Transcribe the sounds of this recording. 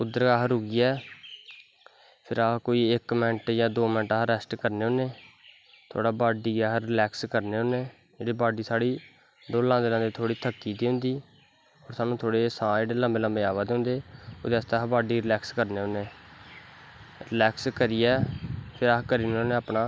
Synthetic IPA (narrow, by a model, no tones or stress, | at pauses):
ʊd̪əɾɡaːɦɾɦʊɡiːɛː | pʰɪɾaːkoːiːɪkmɪnʈjãːd̪oːmɪnʈaɦɾɛsʈkəɾneːʊ̃neː | t̪ʰo̰ːɽaːbaːɖiːaːɦɾlɛːkskəɾneːɦʊ̃neː | d͡ʒeːɽeːbaːɖiːsaːɽiː | d̪oːlãːd̪eːlãːd̪eːt̪ʰoːɽiːt̪ʰəkːiːd̪eːɦʊ̃nd̪iː | ɔːɾsaːnũːt̪ʰoːɽeːsãːeːɽeːlə̃mbeːlə̃mbeːaːʋaːd̪eɦʊ̃nd̪eːoːd̪eəst̪eaːɦbaːɖiːɾɪlɛːkskəɾneːɦʊ̃neː | ɾɪlɛːkskəɾiːɛːpʰɪɾaːkəɾiːneoneaːpnaː